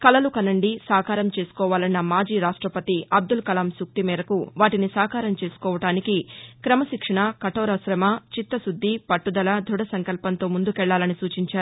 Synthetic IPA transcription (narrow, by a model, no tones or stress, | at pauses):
kɐlɐlukɐnɐɳɖisaːkaːɾɐmt͡ʃe̞ːsu̥kɔːʋaːlɐnːɐmaːd͡ʒiːɾaːʂʈɾɐpɐt̪iʔɐb̚d̪ulkɐlɐmsuk̚t̪imɛːɾɐkuʋaːʈinisaːkaːɾɐmt͡ʃe̞ːsu̥kɔːʋɐʈaːnikikɾɐmɐʃikʂɐɳɐkɐʈɔːɾɐsɾɐmɐt͡ʃit̪ːɐsud̪ʱːipɐʈːud̪ɐlɐd̪ʱuɽɐsɐŋkɐlpɐnt̪o̞ːmund̪ukɛɭːaːlɐnisuːt͡ʃiɲt͡ʃaːɾuu